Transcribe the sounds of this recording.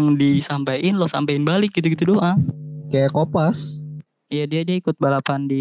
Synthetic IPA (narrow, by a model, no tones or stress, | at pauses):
ŋdisampajɪnlɔhsa̰mpaɪnbalɪk̚ɡit̪uɡit̪udoʔakajakopas | ijadiadiaikʊt̪̚balapandi